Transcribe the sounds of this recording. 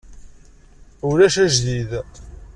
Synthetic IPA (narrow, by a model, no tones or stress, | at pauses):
ʊɾæʃæʒðið